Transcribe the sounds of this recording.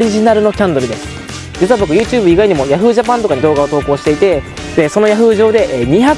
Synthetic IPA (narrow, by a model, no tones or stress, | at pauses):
ɾʲiʑinaɾɯ̟no̞kʲãnd̪o̞ɾɯ̟d̪e̞sɨ̥ | d͡ʑit͡sɨɯβabo̞kɯ̟jɯ̟ːt͡ɕɨːbɯ̟iɡaiɲ̟imo̞jaɸɯ̟ːʑap̬ãnt̪o̞kaɲ̟id̪o̞ːɡao̞t̪o̞ːko̞ːɕi̥t̪e̞it̪e̞ | d̪̥e̞so̞no̞jaɸɯ̟ːʑo̞ːd̪e̞ʔɲ̟iça